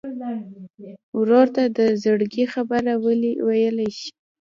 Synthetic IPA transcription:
wɾoɾt̪ad̪əzəɽɡixabaɾawəliwajəlajʃi̥

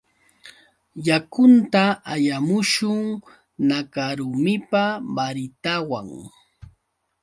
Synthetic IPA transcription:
jakʊnt̪aajamʊʃʊŋ | nakaɾʊmɪpabaɾɪt̪awa̰ŋ

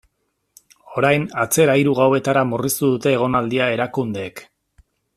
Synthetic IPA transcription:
o̞ɾajnat͡se̞ɾajɾuɣawe̞t̪aɾamurist̪uðut̪e̞ːɣ̞o̞nald̪iae̞ɾakund̪e̞ːk

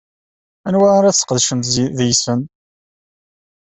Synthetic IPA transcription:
ænwæɾæθsə̥qðʃəmt̪ðjsən

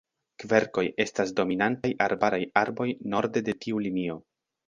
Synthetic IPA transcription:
kve̞ɾko̞je̞stas̬do̞minantajʔaɾbaɾajaɾbo̞jno̞ɾde̞de̞tʰiulinio̞

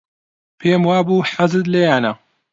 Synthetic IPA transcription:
pʰeːmwaːbuːħazɨd̪lejaːna

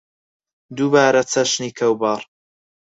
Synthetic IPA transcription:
d̪ubaːɾɐt͡sʰɐʃniːkʰɐwbɑːɾˤ

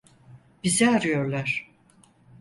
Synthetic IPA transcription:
b̥izɛaɾɯjo̞ɾlˠaɾ̥

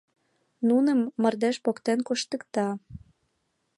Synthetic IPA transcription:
nunə̆mːə̆rd̪eʃpokt̪enkuʃt̪ə̆kt̪ɑ

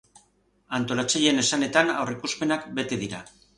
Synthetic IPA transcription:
ant̪o̞lat͡saje̞ne̞sane̞t̪ana̰wrikuspe̞nakbe̞t̪e̞ðiɾa

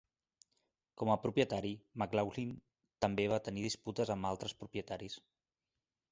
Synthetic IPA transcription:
kɔməpɾupjət̪aɾimaklawlin | t̪əmbeβ̞at̪əniðisput̪əzəmbalˠt̪ɾəspɾupjət̪aɾis

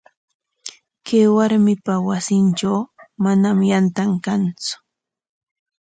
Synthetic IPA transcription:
kajwaɾmɪpawasɪnʈ͡ʂawmanamjant̪aŋkant͡sʊ̥

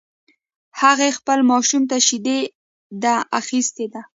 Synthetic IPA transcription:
haɣexpəlmɑʃumt̪aʃid̪e | d̪aaxist̪ed̪a

